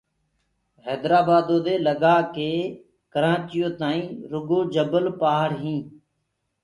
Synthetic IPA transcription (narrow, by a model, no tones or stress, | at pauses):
ɦɛːd̪ɾaːbaːd̪õːd̪eːləɡaːkeː | kəɾãːt͡ʃɪjõːt̪aːĩːɾʊɡõːd͡ʒəbəlpaːɦɾɦĩː